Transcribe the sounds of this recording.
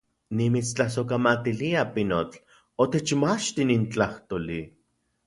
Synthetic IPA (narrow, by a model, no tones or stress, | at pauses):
nimit͡st͡ɬahsokamat̪iliapinot͡ɬ | ot̪et͡ʃmat͡ʃt̪inint͡ɬaht̪oli